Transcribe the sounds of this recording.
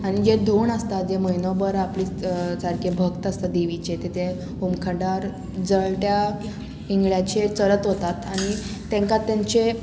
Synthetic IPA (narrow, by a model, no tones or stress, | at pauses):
aɽ̃id͡ʑed̪ʱoɳəst̪ad͡ʑeməinɔbəɾapliːsaɾkʰebʱəɡt̪ast̪ad̪iʋit͡ɕet̪et̪e | umkʰəɳɖaɾ | d͡zəɭʈja | iŋɡɭjat͡ɕet͡səɾət̪ɦot̪at̪aɽ̃i | t̪ẽŋkat̪ːaɲt͡se